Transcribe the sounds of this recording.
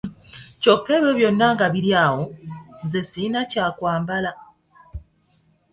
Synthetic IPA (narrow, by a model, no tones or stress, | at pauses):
cokːe̞ːβjo̞βjo̞nːaŋɡaβiɾjaːwonzesinacaːkwaːmbala